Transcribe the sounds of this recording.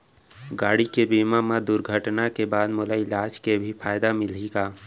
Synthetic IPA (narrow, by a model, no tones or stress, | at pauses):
ɡaːɽikebiːmamad̪ʊɾɡʱəʈnakebaːd̪molaɪlaːd͡ʒkebʱipʰaːjd̪amɪliɡaː